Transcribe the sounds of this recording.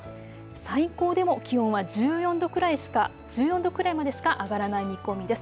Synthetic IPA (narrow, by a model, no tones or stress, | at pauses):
saiko̞ːd̪e̞mo̞kʲihõɰ̃βad͡ʑɨːjõ̞nd̪o̞kɯ̟ɾaiɕi̥ka | d͡ʑɨːjõ̞nd̪o̞kɯ̟ɾaimad̪e̞ɕi̥kaʔaɡaɾanaimʲiko̞mʲid̪e̞sɨ̥